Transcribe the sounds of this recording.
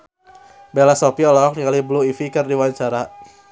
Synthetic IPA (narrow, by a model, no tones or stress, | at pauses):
belasɔpiɔlɔɔk̚niŋalibluifikɨrdiwaɲt͡ʃaɾa